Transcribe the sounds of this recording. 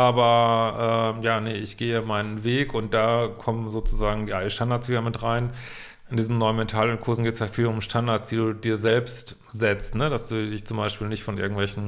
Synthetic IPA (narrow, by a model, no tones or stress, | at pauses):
ʔaːbɐʔɛːjaːnəʔɪçɡ̥eːəmaɪnənveːkʊnt̚d̥aːkʰɔmənzoːt͡suzaːɡŋ̩jaːdiʃtandaɐt͡sv̥iːdɐmɪtʁaɪn | ʔɪndiːzn̩nɔʏənmɛntʰaːlʊnkʰʊɐzn̩ɡeːtəshafiːlʊmʃtʰandaɐt͡sd̥iːduːdiːɐzɛlpst | z̥ɛt͡stnəd̥asd̥uːdɪçt͡sʊmbaɪʃpiːlnɪçtfɔnʔɪɐɡŋ̩tvɛlçn̩